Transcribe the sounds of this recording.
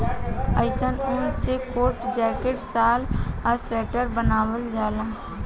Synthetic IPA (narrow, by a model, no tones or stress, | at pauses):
əɪsənoːnsekoːʈd͡ʒɛːkeʈsaːləsɛːʈəɾbənaːwəld͡ʒaːlãː